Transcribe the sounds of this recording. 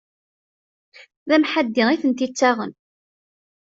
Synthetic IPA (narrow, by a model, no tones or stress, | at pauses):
ðæmħad̪ːɪʁiθənt̪it͡sːaʁə̰n